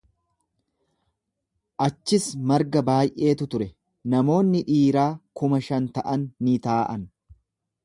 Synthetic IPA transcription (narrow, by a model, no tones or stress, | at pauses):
ʔɐt͡ʃːɪsmɐɾɡɐbaːjʔe̞ːt̪ʊt̪ʊɾɛ | nɐmo̞ːnːɪᶑiːɾaːkʊmɐʃɐnt̪ɐʔɐnːɪt̪aːʔɐn